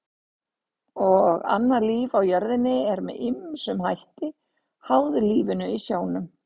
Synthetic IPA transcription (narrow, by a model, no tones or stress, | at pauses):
ɔɣa̰nːaliːvawjœɾðɪnːɪɛɾmɛðɪmsʏmhajht̪ɪ | hawðʏliːvɪnʏisjoːwnʏm